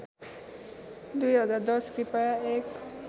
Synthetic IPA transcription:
d̪ujɦʌd͡zaɾd̪ʌskripajaek

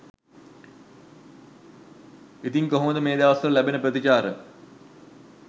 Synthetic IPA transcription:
it̪iŋkoɦuməd̪əmeːd̪aːʋɐsɾəlæbenəprət̪it͡ɕaːɾə

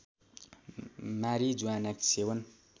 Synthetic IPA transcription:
maɾid͡zuanaksewən

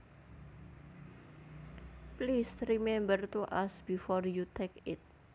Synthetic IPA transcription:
plisrimɛmbərt̪uʔasb̥ifɔrjut̪ʰekɪt̪̚

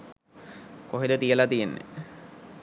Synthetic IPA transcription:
koɦelot̪ielat̪ijenːḛ

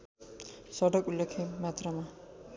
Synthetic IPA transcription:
sʌɽʌkulːekʰemat̪rama

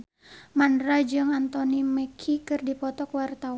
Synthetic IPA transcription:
mandɾad͡ʒɨŋant̪ɔniməkʰikɨrdipɔt̪ɔkwart̪aw

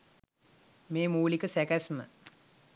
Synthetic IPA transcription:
meːmuːlikəsækæsmə

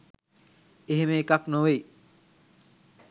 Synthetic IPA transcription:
eɦemeːkaknowej

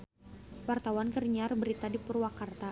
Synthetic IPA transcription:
wart̪awankərɲarbəɾit̪adipərwakart̪a

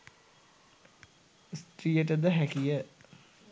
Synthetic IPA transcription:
st̪rijəʈəd̪əɦækijə

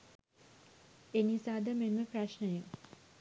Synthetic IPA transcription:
enisaːd̪əmemːəpraʃnəjuŋ

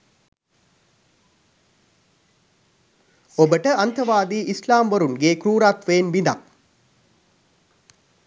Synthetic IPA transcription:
obəʈəʔɐnt̪ʰɐʋaːd̪iːʔislaːmʋɐɾunɡeːkɾuːɾaːt̪ʋeːnʋind̪a̰

